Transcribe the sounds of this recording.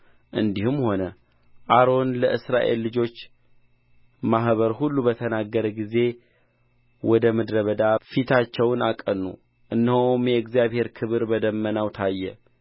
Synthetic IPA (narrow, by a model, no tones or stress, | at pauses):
ʔɨnd̪ihumho̞nə | ʔaɾo̞nləʔɨsɾa̰ʔe̞̰lːɨd͡ʒo̞t͡ʃː | maɦβəɾɦulːubət̪ʰənaɡːəɾəɡize̞ | wɔd̪əməd̪ɾəβəd̪afit̪ʰat͡ʃːɛwnakʼənːṵ | ʔɨnːhomjɛɨɡzijaβhe̞ɾkʰɨβɨɾbəd̪əmːənawt̪ʰajːɛ̰